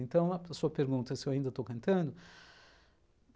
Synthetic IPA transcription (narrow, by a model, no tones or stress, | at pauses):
ẽnt̪ɐ̃w̃ɐsuɐpeɾɡũnt̪ɐsɪewaĩnd̪ɐt̪owkɐ̃nt̪ɐ̃nd̪ʊ